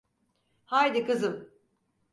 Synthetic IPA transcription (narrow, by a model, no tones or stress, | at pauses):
hajd̪ikɯzɯm